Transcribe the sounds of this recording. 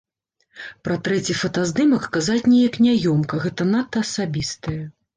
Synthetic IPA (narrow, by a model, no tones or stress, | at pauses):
pɾɐt̪ɾɛt͡sʲifɐt̪azd̪ɨmɐkkazat͡sʲnʲeɛjɐknʲajɔmkɐɣɛt̪ɐnat̪ːɐːsabʲist̪ɐjɐ